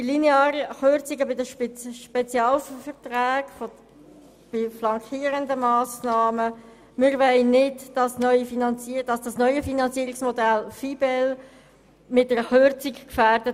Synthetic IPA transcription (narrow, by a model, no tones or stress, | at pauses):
ilineaːɾəχøɾt͡siɡəbɪdəʃpʃpɛt͡sjɑːlffɛʁtɾæːɡ̥fɔ | b̥ɪflɑŋkʰiːəɾəndəmɑːsnɑːmə | mɪɾʋɛɪnɪdd̥ɑsnœʏifinɑnt͡siːd̥ɑsd̥ɑsnœʏəfinɑnt͡siəɾiksmɔdælfibɛl | mɪt̚dəɾəχøɾt͡sikkfæːɾd̥ə